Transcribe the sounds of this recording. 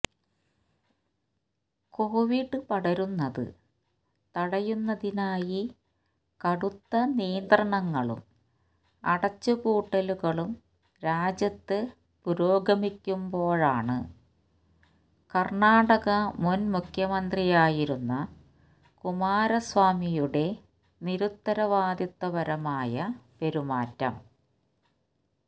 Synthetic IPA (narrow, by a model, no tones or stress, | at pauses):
koːʋiɖːɨpɐɽɐɾunːɐðɨ̰ | t̪ɐɽɐjunːɐðinaːji | kɐɽut̪ːɐnijɐnd̪rɐɳɐŋːɐɭṵm | ɐ̰ɽɐt͡ɕːukuːʈːɐluɣɐɭum | ɾaːd͡ʑjɐt̪ːɨ | puɾo̞ːɡɐmikʲːumbo̞ːɻaːɳɨ̰ | kɐrɳaːɽɐɣɐmunmukʰjɐmɐnd̪rijaːjiɾunːɐ | kumaːɾɐsʋaːmijuɽe̞ | niɾut̪ːɐɾɐʋaːd̪it̪ːɐʋɐɾɐmaːjɐpe̞ɾumaːtːɐ̰m